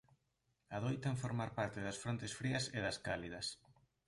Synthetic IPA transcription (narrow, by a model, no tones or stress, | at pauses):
ɐðojt̪aŋfoɾmaɾpaɾt̪ɪðɐsfɾont̪esfɾiɐseðɐskaliðɐs